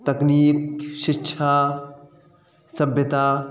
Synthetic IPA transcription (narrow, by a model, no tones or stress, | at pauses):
t̪ɐkniːkʃɪkːʃʰaː | sɐbʱjɐt̪aː